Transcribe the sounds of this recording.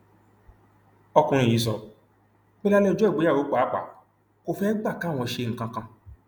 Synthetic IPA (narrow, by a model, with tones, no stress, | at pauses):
ɔ˧kũ˧ɾ̃ĩ˧˨iː˨˦s̬ɔ˧ | k͡pɛ˦la˦lɛ˦˨d͡ʒɔ˦ɛ˦˨ɡ͡bo˨˦a˦˨wo˨˦k͡pa˨˦k͡pa̰˨˦ | ko˧fɛ˦ɡ͡ba˦˨ka˨˦˨w̃ɔ̃˧ʃe˧ŋ̩̃˨kã˧kã˧